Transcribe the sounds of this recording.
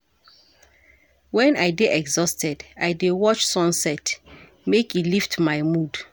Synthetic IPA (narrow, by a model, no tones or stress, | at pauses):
wɛ̃najdeʔɛɡzɔstɛdajdewɔt͡ʃsɔ̃nsɛt | mekiliftmajmud